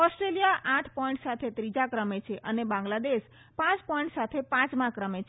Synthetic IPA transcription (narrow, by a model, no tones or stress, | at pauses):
ɔsʈɾelijaʔaʈʰpɔjɳʈsat̪ʰet̪ɾid͡ʒakɾəmet͡ʃʰeʔənebãŋɡlad̪eʃ | pãt͡ʃpɔĩɳʈsat̪ʰepãt͡ʃmãkɾəmet͡ʃʰ